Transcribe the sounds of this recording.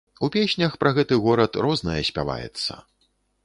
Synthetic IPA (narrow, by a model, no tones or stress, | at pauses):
upʲesʲnʲɐxpɾɐɣɛt̪ɨɣɔɾɐt̪rɔznɐjɐsʲpʲava̰jɛ̰t̪sːɐ̰